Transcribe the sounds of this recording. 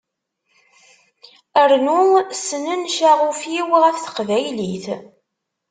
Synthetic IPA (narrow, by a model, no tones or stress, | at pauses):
əɾnusnənʃaʁufjiwʁæθθə̥qvæjliθ